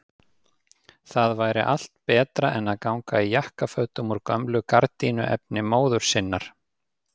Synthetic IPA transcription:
θaðvaːjɾɪ̰ʔal̥t̪̚pɛːt̪ɾaʔɛnaðkawŋkaijahkafœɥt̪ʏmuɾkœmlʏkaɾt̪inʏʔɛ̰p̚nɪmoːwðʏɾ̥sɪnːaɾ̥

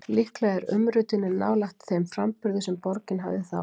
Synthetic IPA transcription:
lɪhklaɣɛɾʏ̰mɾʏːt̪ɪnːʏna̰ːwlaht̪θemfɾampʏɾðʏsɛmpɔɾcɪnɦa̰vðɪθa̰w

